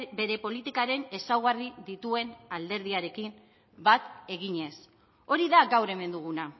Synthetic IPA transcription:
be̞ɾe̞po̞lit̪ikaɾe̞ne̞sawɣ̞ariðit̪ue̞nald̪e̞ɾð̞iaɾe̞kim | bat̪e̞ɣ̞iɲe̞s | o̞ɾiðaɡawɾe̞me̞nd̪uɣ̞una

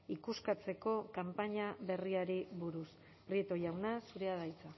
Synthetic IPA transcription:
ikuskat͡se̞ko̞kampaɲaβe̞riaɾiβuɾus | pɾiet̪o̞jawnasuɾe̞að̞ajt͡sa

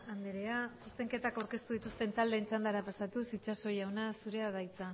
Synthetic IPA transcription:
and̪eɾe̞asust̪e̞ŋke̞t̪akawɾke̞st̪uð̞it̪ust̪e̞nt̪ald̪e̞int͡sand̪aɾapasat̪usit͡ʃaso̞jawnasuɾe̞aðajt͡sa

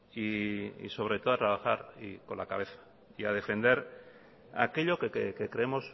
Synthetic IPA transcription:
iḭso̞β̞ɾe̞t̪o̞oat̪ɾaβ̞axaɾiko̞nlakaβ̞e̞θḁ | iað̞e̞fe̞nd̪e̞ɾ | a̰ke̞ʎo̞kekekekɾeemo̞s

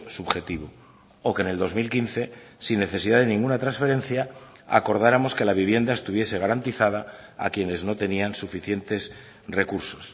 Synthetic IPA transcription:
suβxe̞t̪iβo | oke̞ne̞ld̪o̞zmilkinθe̞ | sinːe̞θe̞siðaðe̞nĩŋɡunat̪ɾansfe̞ɾẽ̞nθja | a̰ko̞ɾð̞aɾamo̞ske̞laβiβje̞nd̪ae̞st̪uβ̞je̞se̞ɣ̞aɾant̪iθað̞aa̰kje̞ne̞zno̞t̪e̞niansufiθje̞nt̪e̞s | re̞kuɾso̞s

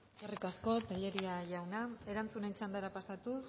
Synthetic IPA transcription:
erikasko̞t̪aʎe̞ɾiaʝawnae̞ɾant͡sune̞t͡ʃand̪eɾapasat̪u

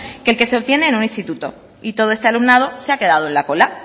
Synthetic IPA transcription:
kelke̞seo̞βt̪je̞neːnunĩnst̪it̪ut̪o̞̰ | it̪o̞ð̞oe̞st̪ealumnað̞o̞seake̞ðað̞oenlako̞la

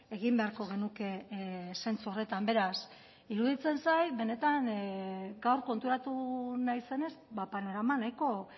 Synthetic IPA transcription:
e̞ɣimbe̞aɾko̞ɣ̞e̞nuke̞se̞nt͡suo̞re̞t̪ambe̞ɾas | iɾuð̞it͡se̞nsajβe̞ne̞t̪an | ɡawɾko̞nt̪uɾat̪unajse̞ne̞sbapanoɾamanajko̞

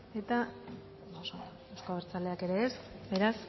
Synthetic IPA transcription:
e̞t̪a | osond̪oewsko̞aβeɾt͡sale̞ake̞ɾe̞ːsbe̞ɾas

